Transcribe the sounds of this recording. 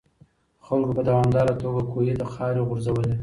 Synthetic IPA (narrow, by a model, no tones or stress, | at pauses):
xalkopəd̪awɑmd̪ɑɾat̪oɡakʰojed̪əxɑɾeɣʊɾzawəle